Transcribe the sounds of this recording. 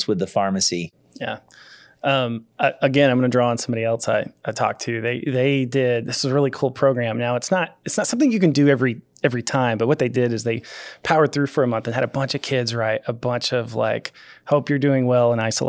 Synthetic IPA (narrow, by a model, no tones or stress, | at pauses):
swɨðəfɑɹmɨsi | jæ̰ | ʌ̃mʌʔəɡɛ̃ãɪ̃mɡʌnɨdɹɔə̃nsʌ̃mbɑɾiɛlˠtsaɪʔaɪtʰɔ̰k̚tʰʉðeɪðeɪdɪd̚ðɪszəɹɪlˠikʰulˠpʰɹ̥oʊɡɹæ̃mnaʊətsnəɾ̚ɨtsnətsʌ̃mθɪ̃ŋjɨkɨ̃ndɨɛvɹi | ɛvɹitʰãɪ̃mbʌt̚wʌt̪̚ðeɪdɪɾɨzðeɪpʰaʊə˞d̪̚θɹʉfə˞ɨmʌ̃nθɨ̃nɨɾɨbʌ̃nt͡ʃʌv̥kʰɪdzɹaɪt̚əbʌ̃nt͡ʃʌvla̰ɪkhoʊpjə˞dʉɪ̃ŋwɛlˠə̃naɪsəl̩